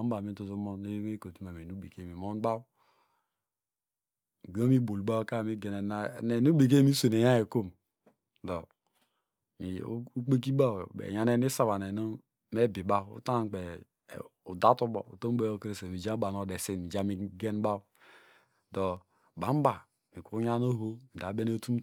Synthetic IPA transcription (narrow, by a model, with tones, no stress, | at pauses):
a˨˦m˦ba˨mi˦tu˦zu˦mɔ˦ne˦we˦ko˨ti˦ma˨m˨e˨nu˦be˨ke˦˨mi˨mo˦n˦ba˦w | ɡo˦mi˦bo˨lɡ͡ba˦wka˦˨mi˦ɡe˨ne˨na˦˨ne˨nu˦be˨k̬e˦mi˦se˨ne˨ja˦e˨ko˦m | dɔ˨ | mi˨˦u˦k͡pe˦k̬i˦ba˦˨wbḛ˨ja˨˦ne˦ni˦sa˦βa˨ne˨no˦ | me˦bi˨ba˦ṵ˦ta˦˨k͡pḛ˨ | u˨da˦tu˦bɔ̰˨ṵ˨to˦m˦be˦jo˦ke˦ɾe˨se˨mi˨d͡ʒa˦ba˨no˨de˨se˦˨mi˨d͡ʒa˦mi˦ɡe˦n˦ba˦w | dɔ˨ | ba˨˦m˦ba˨ | mi˨ku˨˦u˦ɲa˦no˦ɦo˦mi˨da˨˦be˦ne˦tu˦